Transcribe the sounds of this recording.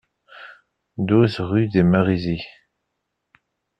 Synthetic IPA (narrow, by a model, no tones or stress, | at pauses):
d̪uθʁydemaʁizi